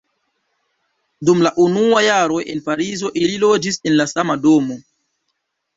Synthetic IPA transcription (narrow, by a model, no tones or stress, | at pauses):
dumlaʔunuajaɾo̞jʔe̞npaɾizo̞ʔililo̞d͡ʒise̞nlasamado̞mo̞